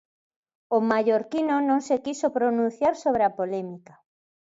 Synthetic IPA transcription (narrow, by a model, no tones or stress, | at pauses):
omaʎoɾkinonõŋsekisopɾonũn̟θjaɾsoβ̞ɾeapolɛmikḁ